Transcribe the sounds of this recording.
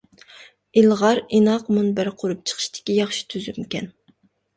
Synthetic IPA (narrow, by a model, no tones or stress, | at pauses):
ilˠʁɑɾinɑqmunbæɾqʰoɾup̚t͡ʃʰə̥χʰə̥ʃt̪ʰɪ̥kʲijɑχʃi̥t̪ʰyzymkʲɛn